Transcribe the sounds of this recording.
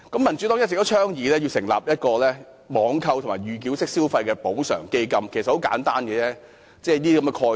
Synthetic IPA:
kɐ˨˥mːɐ˨˩nt͡ʃy˨˥t̪ɔː˨˥ŋjɐ˥t͡sɪ˨k̚t̪ːt͡ʃʰœː˥ŋjiː˨˥lɛː˥ji˧wsɪ˨˩ŋla̰ː˨˩p̚jɐ˥t̚kɔː˧lɛː˥ | mɔː˨˧˥ŋkʰɐ˧wt̪ʰʊ˨ŋmaː˨˩ɥyː˨˩k̬iː˨˥wsɪ˥k̚siː˥wfɐ˧jkɛː˧po˨˥wsœ̰ː˨˩ŋke˧jkɐ˧mkʰe˨˩sɐ˨t̚ho˨˥wka̰ː˨˥nt̪aː˥nkɛ˧t͡sɛː˥ | t͡sɛː˧˩niː˥kɐ˨˧mɛ˧kʰɔː˧

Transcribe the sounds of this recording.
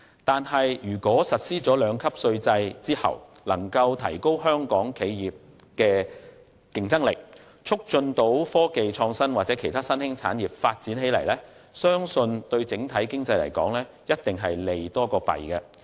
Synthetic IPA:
t̪aː˨nɦɐ˨jjyː˨˩kʷɔː˨˥sɐ˨t̚siː˥t͡sɔː˨˥lœː˨˧ŋkʰɐ˥p̚sɵ˧ɥt͡sɐ˧jt͡siː˥hɐ̰˨˩wlɐ˨˩ŋkɐ˧wt̪ʰɐ˨˩jko˥whœː˥ŋkɔː˨˥ŋkʰe˨˧jjiː˨˩p̚ | kɛː˧ | kɪ˨ŋt͡sɐ˥ŋlɪ˨k̚ | t͡ʃʰʊ˥k̚t͡ʃɵ˧nt̪o˨˥wfɔː˥ke˨jt͡ʃʰɔː˧ŋsɐ˥nwaː˨t̚t͡sɛː˨˥kʰe˨˩jt̪ʰaː˥sɐ˥nhɪ˥ŋt͡sʰa̰ː˨˥njiː˨p̚faː˧t̚t͡siː˨˥nɦe˨˥jlɐ˨˩jlɛː˥ | sœː˥ŋsɵ˧nt̪ɵ˧ɥt͡sɪ˨˥ŋt̪ʰɐ˨˥jkɪ˥ŋt͡sɐ˧jlɐ˨˩jkɔ̰ː˨˥ŋlɛː˥ | jɐ˥t̚t̪ɪ˨ŋɦɐ˨jle˨jt̪ɔː˥kɔː˧pɐ̰˨˩jkɐ˧

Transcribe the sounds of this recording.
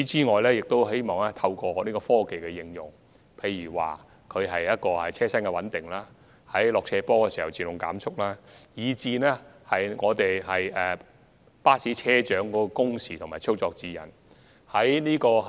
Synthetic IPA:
y˨˥t͡siː˥ŋɔː˨jlɛː˥jɪ˨k̚t̪o˥wɦe˥jmɔː˨ŋɛː˥t̪ʰɐ˧wkɔː˧˨˧niː˥kɔː˧fɔː˥ke˨jkɛ˧jɪ˧ŋjʊ˨ŋ | pʰe˧jyː˨˩wa̰ː˨ | kʰɵ˨˧ɥɦɐ˨jjɐ˥t̚kɔː˧hɐ̰˨jt͡sʰɛː˥sɐ˥nkɛ˧wɐ˨˥nt̪ɪ˨ŋlaː˥ | hɐ˨˥jlɔː˨k̚t͡sʰɛː˧pɔː˥kɛː˧si˨˩hɐ˨˩wt͡siː˨lʊ˨˩ŋka̰ː˨˥mt͡sʰʊ˥k̚laː˥jiː˨˧t͡siː˧nɛː˥hɐ˨jŋɔː˨˧t̪e˨jhɐ˨jɛː˨ | paː˥siː˨˥t͡sʰɛː˥t͡ʃœː˨˥ŋkɔː˨˥kɔ˧kʊ˥ŋsiː˨t̪ʰʊ˨˩ŋmaː˨jt͡sʰʊ˥wt͡sɔː˧k̚t͡siː˨jɐ̰˨˩n | hɐ˨˥jniː˥kɔː˧

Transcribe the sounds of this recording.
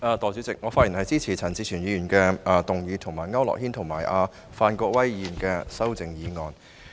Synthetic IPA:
ʔaː˨˧t̪ɔː˨˩t͡syː˨˥t͡sɪ˨k̚ŋɔː˨˧faː˥ji˨˩nhɐ˨jt͡siː˥t͡sʰiː˨˩t͡sʰɐ˨˩nt͡siː˧t͡ʃʰyː˨˩njiː˨˧jyː˨˩nkɛː˧t̪ʊ˨˩ŋjiː˨˧t̪ʰʊ˨˩ŋmaː˨˩jŋɐ˥wlɔ̰ː˨k̚hiː˥nt̪ʰʊ˨˩ŋmaː˨˩jʔaː˧ | faː˧nkɔː˧k̚wɐ˥ji˧˨˩nkɛː˧sɐ˥wt͡sɪ˨ŋjiː˨˧ŋɔː˨˧n

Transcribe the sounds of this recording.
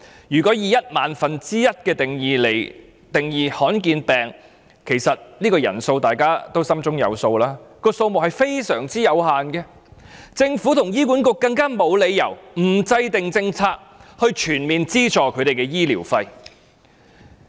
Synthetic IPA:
jyː˨˩kɔ˨˥jiː˨jɐ˥t̚maː˨nfɐ˨nt͡siː˥jɐ˥t̚kɛː˧t̪ŋi˨le˨˩j | t̪ɪ˨˩ŋjiː˨hɔː˨˥nkiː˧npɛː˨˩ŋ | kʰe˨˩jsɐ˨t̚niː˥kɔː˧jɐ̰˨˩nso˧wt̪aː˨˩jkaː˥t̪o˥wsɐ˥mt͡sʊ˥ŋjɐ̰˨˧wso˧wlaː˥kɔː˧so˧wmʊ˨hɐ˨˩jfe˥jsœː˨˩ŋt͡siː˥jɐ˨˧whaː˨nkɛː˧ | t͡sɪ˧ŋfuː˨˥t̪ʰʊ˨˩ŋjiː˥k̬uː˨˥nkʊ˧kːɐ˧ŋkaː˥mo˨˧wle˨˧jjɐ˨˩wm̩˨˩t͡sɐ˧jt̪ɪ˨ŋt͡sɪ˧ŋt͡sʰaː˧k̚hɵ˧ɥt͡ʃʰyː˨˩nmiː˨nt͡siː˥t͡ʃɔː˨˩kʰɵ˨˧ɥɾe˨jkɛː˧jiː˥liː˨˩wfɐ˧j

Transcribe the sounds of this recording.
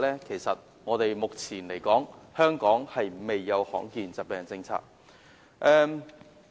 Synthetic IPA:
lɛː˥kʰe˨˩jsɐ˨t̚ | ŋɔː˨˧t̪e˨jmʊ˨k̚t͡sʰiː˨˩nle˨˩jkɔː˨˥ŋhœː˥ŋkɔː˨˥ŋhɐ˨jme˨jːɐ˨˧whɔ̰ː˨˥ŋkiː˨nt͡sɐ˨t̚pɛː˨ŋt͡sɪ˧ŋt͡sʰa̰ː˧k̚ | ʔɛː˧

